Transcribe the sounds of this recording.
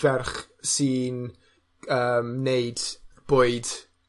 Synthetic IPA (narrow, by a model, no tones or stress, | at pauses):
vɛrχ | sin | əːmneɨd̥b̥oːɨd̥